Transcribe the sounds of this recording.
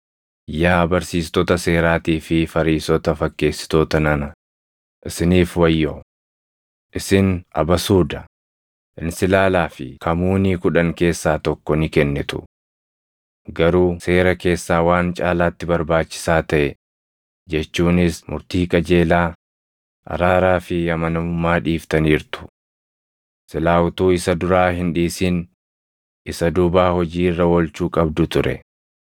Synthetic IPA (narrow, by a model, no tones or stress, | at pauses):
jaːbɐɾsiːst̪ɔt̪ɐseːɾaːt̪iːfɪfɐɾiːsɔt̪ɐfɐkːe̞ːsːɪ̥t̪oːt̪ɐnɐnɐ | ʔɪsɪniːfwɐjːoː | ʔɪsɪnʔɐ̰bɐsuːd̪ɐ | ʔɪnsɪlaːlaːfɪ̰kɐmuːniːkʊᶑɐŋke̞ːsːaːt̪ɔkːɔnɪkɛnːɛt̪ʊ̰ | ɡɐɾuːse̞ːɾɐke̞ːsːaːwaːnt͡ʃʼaːlaːt̪ːɪbɐɾbaːt͡ʃːɪ̥saːt̪ɐʔɛ | d͡ʒɛt͡ʃːuːnɪsmʊ̰ɾt̪iːkʼɐd͡ʒe̞ːlaː | ʔɐ̰ɾaːɾaːfɪjɐmɐnɐʊmːaːᶑiːft̪ɐniːɾt̪ʊ̥ | sɪlaːwʊt̪uːɪsɐd̪ʊɾaːhɪnᶑiːsiːn | ɪsɐd̪ʊbaːhɔd͡ʒiːrːɐwɔlt͡ʃuːkʼɐbd̪ʊt̪ʊɾɛ̰